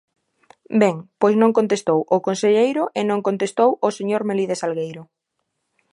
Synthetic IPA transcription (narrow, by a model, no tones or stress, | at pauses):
bɛŋpojznõŋkõnt̪est̪owʔʊkonseʎejɾʊʔenõŋkont̪est̪owoseɲoɾmeliðesalɣejɾʊ